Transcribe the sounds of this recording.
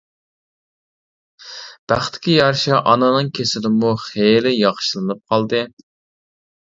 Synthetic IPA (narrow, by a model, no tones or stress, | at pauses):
b̥æχt̪ʰɪ̥kʲijɑɾʃɑʔɑnɨnɨŋkʲʰesɪd̪ɪmuχelɪjɑχʃlˠɨnɨp̚qʰɑlˠd̪ɨ